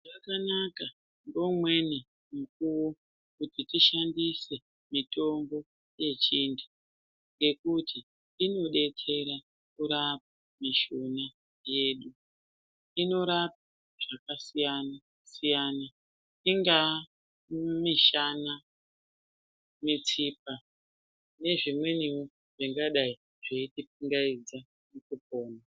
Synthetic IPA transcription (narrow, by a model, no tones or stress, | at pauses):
ʐakanaka | ŋɡo̞mwe̞ni | muk̚uwo | kutitiʃandise̞ | mito̞mbo̞ | je̞t͡ʃiːndu̥ | ŋɡe̞kutʰi | ino̞ɗe̞t͡se̞ɾa | kuɾap̚a | miʃona | je̞ːɗu | ino̞ɾap̚a | ʐ̥akasijana | sijana | iŋɡa | miʃana | mit͡sip̚a | ne̞ʐimwe̞niwo | ʐ̥iŋɡaɗai | ʐ̥eitip̚iŋɡaid͡za | mukup̚o̞ːna